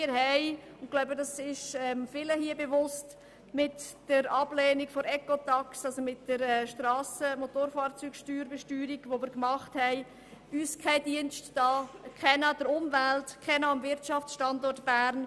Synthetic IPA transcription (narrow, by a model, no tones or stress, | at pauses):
ɪɾhɛɪʊnɡ̥laʊbədɑsɪʃɛmfɪləhiəbeʋʊst | mɪtd̥əɾɑb̥leːnikfɔɾɛkotɑksɑlsomɪtd̥əɾɛʃtrɑːsəmotoːɾfɑːɾt͡syːɡʃtyːɾbɛʃtyːɾiɡʋomɪəɾkmɑχthɛɪ | yːskʰɛɪdiənʃtːɑːkʰɛnad̥əɾʊmvæltkʰːɛnaːmvɪɾtt͡ʃɑft͡sʃtɑndɔɾtb̥æɾn